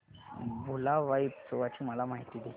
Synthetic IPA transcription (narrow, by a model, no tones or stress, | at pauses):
bʱulaʋaipt͡soʋat͡ɕiːməlamaɦit̪id̪i